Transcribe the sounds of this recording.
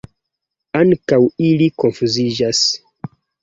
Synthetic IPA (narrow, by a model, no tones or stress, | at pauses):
aŋkawilikonfuzid͡ʒas